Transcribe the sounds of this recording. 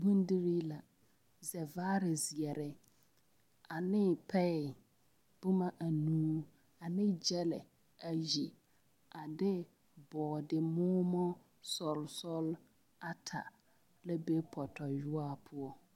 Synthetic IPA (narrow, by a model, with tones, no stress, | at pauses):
bũ˦n˦di˦ɾi˦la˨ | zɛ˨vaː˦ɾɪ˨zi˨ɛ˨ɾɪ˦ | a˨nɪ˦pʰɛ˦ɪ˨ | b̥ʊ˦ma˦ʔa˨nũː˦ | a˨nɪ˦d͡ʒɛ˦lɪ̰˨ | a˨ji˨ | a˨dɪ˦ | bɔː˨dɪ˨mʊː˦mɔ˦ | sɔ˨lsɔ˦l | a˦tʰa̰˨ | la˦bɛ˦pʰɔ˨tʰɔ˨jʊ˦a˦pʰʊ˦ɔ˦